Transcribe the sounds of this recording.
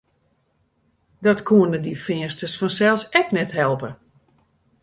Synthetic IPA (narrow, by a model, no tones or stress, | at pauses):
dɔtkʰuənədifɪəstəsfɔnsɛlˠsɛknɛthɛlˠpə